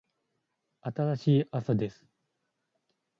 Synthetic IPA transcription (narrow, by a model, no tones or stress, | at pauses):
at̪aɾaɕiːʔasad̪e̞sɨ̥